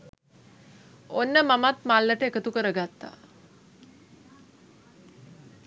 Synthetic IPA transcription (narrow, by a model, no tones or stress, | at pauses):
onːəmamat̪malːəʈəekət̪ukəɾəɡat̪ːa̰